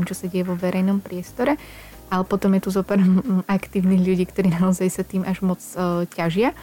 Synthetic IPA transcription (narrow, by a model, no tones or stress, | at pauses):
mt͡ʃɔsaɟɛjɛʋɔʋɛɾɛjnɔmpɾɪɛst̪ɔɾɛ | alɛpɔt̪ɔmjɛt̪uzɔpɛɾɔmakt̪iːʊniːɣʎuɟiːkt̪ɔɾiːnaɔzajsat̪iːmʔaʒmɔt͡scaʒɪa